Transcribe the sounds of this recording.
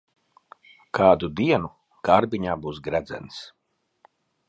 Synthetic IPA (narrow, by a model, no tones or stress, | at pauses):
kʰaːd̪ud̪iɛnu | ɡ̥aɾbiɲaːbuːsɡɾæd̪zɛ̰ns